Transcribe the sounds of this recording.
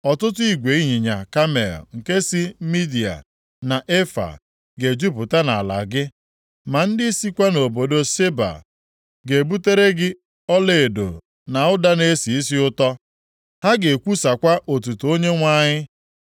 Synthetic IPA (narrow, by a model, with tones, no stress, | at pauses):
ɔ˨tʊ˦tʊ˦i˦ɡʷe˨i˦ɲi˨ɲa̰˨ka˦mḛ˨lŋ̩˨ke˦si˦mi˦di˨a̰˨ | na˨ʔe˦fa̰˨ | ɡe˨d͡ʒu˦pʊ˨ta˦na˨a̰˨la̰˨ɡɪ˦ | ma˨n̩˦dɪ˦si˦kʷa˦no˨bo˨do˦se˦ba̰˨ | ɡe˨bu˦te˦ɾe˦ɡɪ˦ | ɔ˦le˨e˨do̰˨ | na˨ʊ˦da˦ne˦si˨i˦si˦ʊ˦tɔ˦ | ha˦ɡe˨kʷu˦sa˨kʷa˦ʔo˨t̬u˨tu˨o˦ɲe˦ŋʷa˦ɲɪ˦